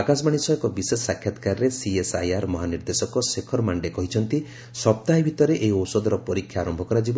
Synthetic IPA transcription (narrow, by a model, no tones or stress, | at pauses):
akas̬ɔmaɽ̃isɔjekɔbisesːakʰjat̪kaɾɾesiesajaɾmɔɦaniɾd̪esɔkɔsekʰɔɾmaɳɖekɔɦit͡ʃʰɔnt̪i | sɔp̚t̪aɦibʱit̪ɔɾeʔeiowsɔd̪ɔɾɔpɔɾikʰːjaːɾɔmbʱɔkɔɾad͡ʒibɔ